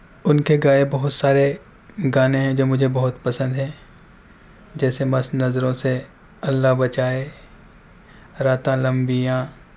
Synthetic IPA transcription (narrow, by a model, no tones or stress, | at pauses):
ʊnkeɡaːebɐɦʊt̪saːɾe | ɡaːneɦɛ̃d͡ʒoːmʊd͡ʒʱebɐɦʊt̪pɐsə̃nd̪ɦɛ̃ː | d͡ʒɛːsemɐsnɐzɾõse | ɐlːaɦbɐt͡ʃaːe | ɾaːt̪ãlɐ̃mbijãː